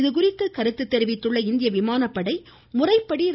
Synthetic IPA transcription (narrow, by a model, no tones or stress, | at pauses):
ðɯk̬ʊrɪt̪ːɯkɐɾɯt̪ːɯt̪ːɛɾɯʋɪt̪ːɯɭːɐɪnd̪ɪjɐʋɪmaːnɐpːɐɽɐɪ | mʊrɐɪpːɐɽiɾ